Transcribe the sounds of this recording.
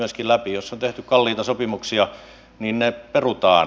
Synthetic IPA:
yøskilæpijosːont̪eht̪ykkɑlːiːt̪ɑsopimuksiɑ | niːnneperut̪ɑː

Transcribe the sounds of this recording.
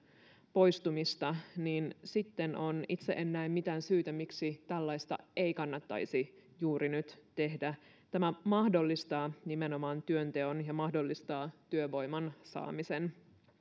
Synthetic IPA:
po̞jst̪umist̪ɑniːnsit̪ːenonit̪seʔenːæimmit̪æːnsyːt̪æmiksit̪ælːɑist̪ɑ̰e̞ikɑnːɑt̪ːɑ̰isi | juːɾinyt̪t̪e̞hdæ | t̪æmæmɑhdo̞lːist̪ɑːnimeno̞mɑːnt̪yønt̪e̞onjɑmɑhdo̞lːist̪ɑːt̪yøʋo̞jmɑnsɑ̰ːmisen

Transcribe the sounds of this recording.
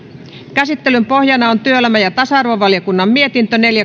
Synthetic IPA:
kæsit̪ːelympohjɑnɑont̪yølæmæjɑt̪ɑsɑɑrʋoʋɑljokunːɑmmie̞t̪int̪øneljæ

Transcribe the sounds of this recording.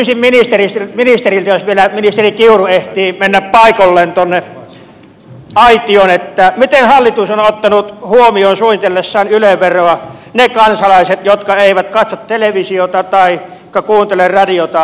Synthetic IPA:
ysimminist̪erist̪eminist̪erilt̪æjosʋielæminist̪erikiurueht̪iːmenːæppɑˑikolːeːnt̪onːe | ɑit̪ionet̪ːæmit̪enhɑlːit̪usonot̪ːɑnut̪huomioːnsuonit̪elːesːæˑːnyleʋʋerːˑoɑnekɑnsɑlɑˑiset̪jot̪kɑeˑiʋæt̪kɑt̪sot̪t̪eleʋisiot̪ɑt̪ɑˑi | kːɑkuːnt̪elerrɑdiot̪ɑ

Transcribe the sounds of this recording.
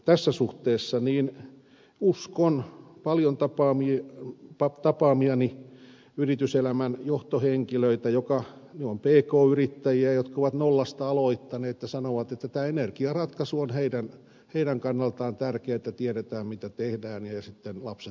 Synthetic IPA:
t̪æsːæsuht̪eːsːɑniːn | uskonpɑljont̪ɑpɑːmipɑt̪ɑpɑːmiɑni | yrit̪yselæmænjoht̪oheŋkiløit̪æjokɑnyompeːkoːyrit̪ːæjiæjot̪kɑoʋɑt̪nolːɑst̪ɑɑloit̪ːɑneːt̪jɑsɑnoʋɑt̪et̪ːæt̪æːenerkiɑrɑt̪kɑsuonheidæn | heidæŋkɑnːɑlt̪ɑːnt̪ærkeæet̪ːæt̪iɛɾet̪æːmmit̪æt̪ehdæːnjɑjɑsit̪ːenlɑpse

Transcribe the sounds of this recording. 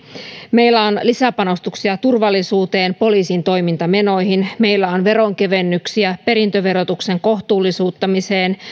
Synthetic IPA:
me̞jlːæo̞nlisæpɑno̞st̪uksiɑt̪urʋɑlːisuːt̪e̞ːnpo̞liːsint̪o̞jmint̪ɑme̞no̞jɦinme̞jlːæo̞nʋe̞ɾo̞ŋke̞ʋe̞nːyksiæpe̞ɾint̪øʋe̞ɾo̞t̪ukse̞ŋko̞ht̪uːlːisuːt̪ːɑmise̞ːn

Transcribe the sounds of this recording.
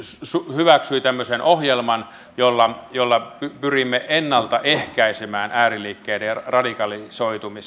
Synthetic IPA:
ssuhyʋæksyit̪æmːøsenʔohjelmɑn | jolːɑjolːɑpypyrimːeʔenːɑlt̪ɑʔehkæisemæːnʔæːrilːˑiːkːeːderɑdikɑlisoit̪umis

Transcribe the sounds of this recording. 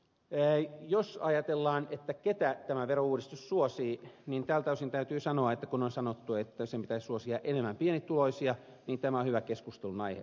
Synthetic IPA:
josɑjɑt̪elːɑːnet̪ːæket̪æt̪æmæʋerouːdist̪ussuosiːnint̪æːlt̪ɑysint̪æyt̪yːsɑnoɑet̪ːækunonsɑnot̪ːuet̪ːæsempit̪æissuosiɑʔenemːæmpienit̪tuloisiɑ | niːnt̪æmæohyʋækeskust̪elunɑihḛ

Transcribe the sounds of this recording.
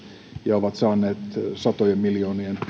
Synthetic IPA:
jɑoʋɑt̪sɑːnːˑeːt̪sɑt̪ojemmiljoːnien

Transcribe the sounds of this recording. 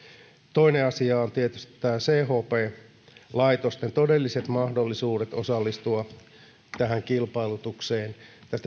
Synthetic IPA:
t̪o̞ineɑsiɑont̪iet̪yst̪i̥t̪t̪æːseːhoːpeː | lɑit̪ost̪ent̪odelːiset̪mɑhdolːisuːdet̪o̞sɑlːist̪uɑ | t̪æɦæŋkilpɑilut̪ukseːnt̪æst̪æ

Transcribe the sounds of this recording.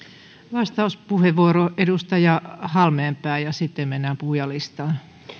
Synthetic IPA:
ʋɑst̪ɑuspuheʋʋuoroʔedust̪ɑjɑhɑlmeːmpæːˑijɑsit̪ːeimenːæpuhjɑlist̪ɑːn

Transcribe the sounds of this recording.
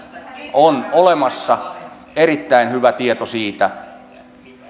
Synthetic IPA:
onolemɑsːɑ | erit̪ːæˑenhyʋæt̪iet̪osiːt̪æ

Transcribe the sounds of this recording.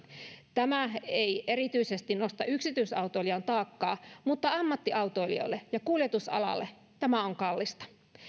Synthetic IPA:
t̪æmæeiʔeɾit̪yisest̪innost̪ɑyksit̪yisɑut̪oilijɑnt̪ɑːkːɑːmut̪ːɑɑmːɑt̪ːiʔɑut̪oilḭo̰ilːejɑkuljet̪usɑ̰lɑ̰lːe | t̪æmæoŋkɑlːist̪ɑ̥

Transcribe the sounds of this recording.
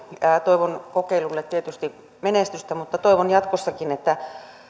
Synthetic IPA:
æt̪oiʋonkokeilulːet̪t̪iet̪yst̪i | menest̪yst̪æmut̪ːɑt̪oiʋonjɑt̪kosːɑkinet̪ːæ

